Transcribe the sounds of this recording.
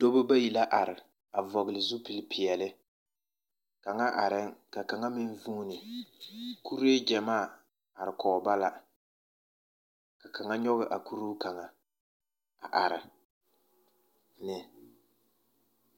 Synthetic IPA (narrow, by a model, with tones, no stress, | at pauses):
do˦bʊ˦ba˦ji˨la˦ʔa˨ɾɪ˨ | a˨vɔ˨ɣɪ˨lɪ˨zʊ˦pɪ˨lpʰɪ˨jɛ˨lɪ˦ | ka˨ŋa˦ʔa˨ɾɪ˦ŋka˨ka˨ŋa˦mɪ˦n˦vu˦nɪ˨ | ku˦ɾe˦d͡ʒɛ˨maː˦˨ | a˨ɾɪ˨kɔː˨ba˦la˦ | ka˨ka˨ŋa˦ɲɔ˦ɣɪ˨ʔa˨ku˦ɾu˦ka˨ŋa˨ | a˨ʔa˨ɾɪ˨ | nɪ˨